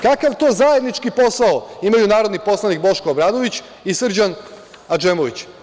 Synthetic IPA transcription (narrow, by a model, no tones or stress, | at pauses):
kakaʋt̪oːzaje̞d̪nit͡ʃkipo̞saoimajunaːɾo̞d̪nipo̞slˠanik̚bo̞ʃkoːbɾaːd̪o̞ʋit͡ɕ | isr̩d͡ʑan | ad͡ʒemoʋit͡ɕ